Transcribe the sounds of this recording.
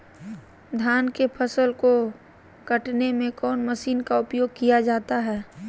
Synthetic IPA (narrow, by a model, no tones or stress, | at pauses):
d̪ʱjaːnkepʰəsəlko | kɐʈnemẽkɔːnməʃiːnkaʊpjoːɡ̚kijad͡ʒaːt̪aɦɛː